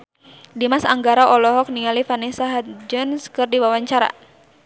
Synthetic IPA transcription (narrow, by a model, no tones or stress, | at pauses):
dimasaŋɡaɾaʔɔlɔɦɔk̚niŋalifanisaɦat̪d͡ʒɔnskɨrdiwawaɲt͡ʃaɾa̰